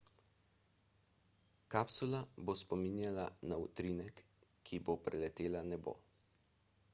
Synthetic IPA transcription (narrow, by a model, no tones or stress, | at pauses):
kapsulabospɔminjalanaut̪ɾinɛkː | ibopɾɛlɛt̪eːlanɛbo̰ː